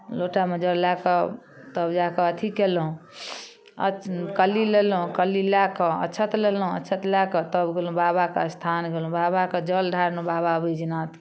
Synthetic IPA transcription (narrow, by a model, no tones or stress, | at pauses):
loʈamed͡ʒəllakə | t̪əbd͡ʒakəət̪ʰikelɦũ | əkəlilelɦũkəlilakəə̰tːt͡ʃʰət̪lelɦũə̰tːt͡ʃʰət̪lakət̪əbɡelũbabakə̰st̪ʰanɡelũbabakəd͡ʒəlɖʱaɾnũbababəd͡ʒinat̪ʰ